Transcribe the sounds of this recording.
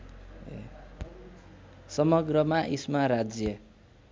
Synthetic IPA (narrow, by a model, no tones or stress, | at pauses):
sʌmʌɡrʌmaʔismaɾad͡zjʌ